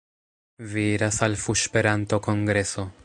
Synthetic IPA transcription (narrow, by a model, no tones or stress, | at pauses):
vieɾasalfuʃpeɾanto̞koŋɡɾe̞so̞